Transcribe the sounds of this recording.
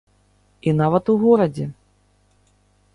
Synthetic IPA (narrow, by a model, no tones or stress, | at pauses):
inavɐt̪uɣɔɾɐd͡zʲɛ